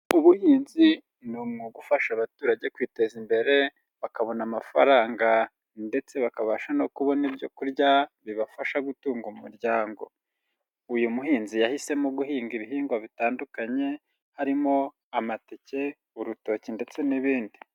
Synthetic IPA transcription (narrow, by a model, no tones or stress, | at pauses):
uβuhiːnzi | numŋuɡufaʃaβatuːɾaɟe̞kwiːte̞zimbeɾe̞ | βakaβo̞namafa̰ɾaːŋɡa | nde̞t͡se̞βakaβaʃano̞kuβo̞nibjo̞kuɾɟaβiβafaʃaɡutuːŋɡumuɾɟaːŋɡo̞̰ | ujumuɦiːnzijahise̞moɡuhiːŋɡiβiɦiːŋɡwaβitaːndukaɲe̞ | haɾimo̞ | amatece̞ | uɾuto̞ːcinde̞t͡se̞niβiːndi